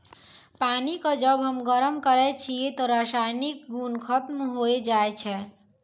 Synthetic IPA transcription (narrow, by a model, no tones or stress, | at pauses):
panikɔd͡ʒəbɦəmɡəɾəmkəɾɛt͡ʃʰiet̪ɔɾasajnik̚ɡunkʰət̪mɦoed͡ʒaet͡ʃʰɛ